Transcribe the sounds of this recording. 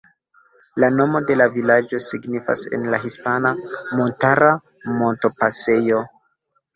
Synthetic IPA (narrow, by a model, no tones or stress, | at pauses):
lano̞mo̞de̞lavilad͡ʒo̞siɡnifa̰se̞̰nlaɦispanamontaɾa | mo̞nto̞pase̞jo̞